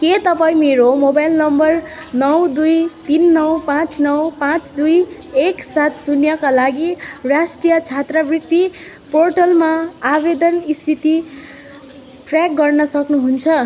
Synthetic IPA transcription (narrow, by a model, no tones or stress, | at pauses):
ket̪ʌpaĩmeɾomobajlnʌmbʌr | nʌwd̪ujt̪inːʌwpãt͡snʌwpãt͡sd̪uj | eksat̪sunjʌkalaɡirasʈrijʌt͡sʰjat̪rʌbrik̚t̪i | porʈʌlmaːbed̪ʌnist̪ʰit̪i | pʰrak̚ɡʌrnʌsʌknuɦunt͡sʰʌ